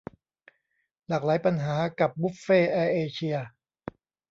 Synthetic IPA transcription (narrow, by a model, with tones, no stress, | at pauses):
laː˨˩k̚laː˩˦jpa˧nɦaː˩˦ka˨˩p̚bu˦˥p̚feː˥˩ʔɛː˦˧˥ʔeː˧t͡ɕʰi˧ɐ